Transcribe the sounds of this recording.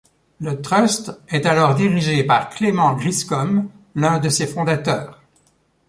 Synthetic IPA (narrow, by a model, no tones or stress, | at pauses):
lət̪χœst̪ɛt̪alɔʁd̪iʁiʒepaʁklemɑ̃ɡʁiskɔm | lɛ̃d̪əsefɔ̃d̪at̪œːʁ